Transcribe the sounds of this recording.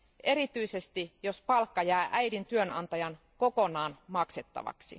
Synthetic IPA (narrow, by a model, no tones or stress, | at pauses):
ʔe̞ɾit̪yise̞st̪ijo̞spɑlkːɑjæːʔæjdint̪yønɑ̰nt̪ɑjɑn | ko̞ko̞nɑːnmɑkset̪ːɑ̰ʋɑ̰ksḭ